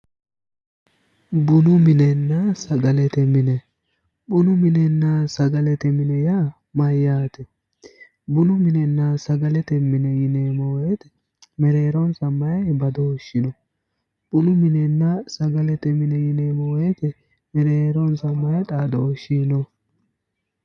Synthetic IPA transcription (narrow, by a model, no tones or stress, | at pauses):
bʊnʊmɪnɛnːɐsɐɡɐlɛt̪ɛmɪnɛ | ɓʊnʊmɪnɛnːasɐɡɐlɛt̪ɛmɪnɛja | mɐjːaːt̪ɛ | bʊnʊmɪnɛnːasɐɡɐlɛt̪ɛmɪnɛjɪnemoːjɛt̪ɛ̥ | mɛɾeːɾɔnsɐmːɐjɐbɐd̪ɔʃːɪnɔ | ɓʊnʊmɪnɛnːɐsɐɡɐlɛt̪ɛmɪnɛjɪnemoːjɛt̪ɛ | mɛɾeːɾɔnsɐmːɐjɛtaːd̪ɔʃːiːnɔ